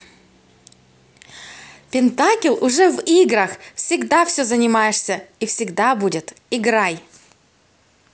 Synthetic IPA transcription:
pʲɪnt̪akʲɪlʲˠʔʊʐɛviɡɾəxfsʲɪɡd̪afsʲɵzənʲɪmajɪʂsʲəifsʲɪɡd̪abudʲɪt̪ | ɪɡɾaj

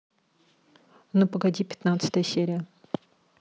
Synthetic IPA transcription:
nɨpəɡɐdʲipʲɪ̥t̪nat̪sɨ̥t̪əjəsʲeɾʲɪjə

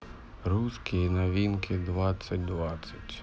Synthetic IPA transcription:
ɾuskʲijinɐʋʲinkɪd̪ʋɑt͡sʲːɐtʲd̪ʋɑt͡sʲːɐtʲ

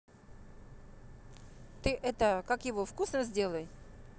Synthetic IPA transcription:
t̪ɨʔɛt̪əkakjɪvofkusnəzʲdʲe̞lˠəj

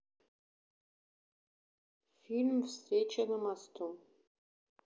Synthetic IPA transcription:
filʲmfsret͡ʃʰɐnɨmast̪ʰu

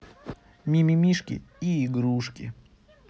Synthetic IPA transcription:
mʲimʲɪmʲiʂkʲɪ̰iːɡɾuʂkʲɪ̰

